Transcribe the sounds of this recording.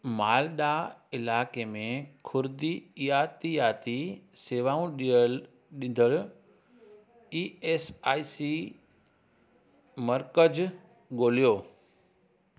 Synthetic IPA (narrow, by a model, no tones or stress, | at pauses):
maːlɗaːɪlaːkeːmẽkʰʊɾd̪ijaːt̪ijaːt̪iseːʋaːũɗijəl | ɗĩnd̪əɭ | iːeːsaːisi | mɐɾkəd͡ʑ | ɠoːlijoː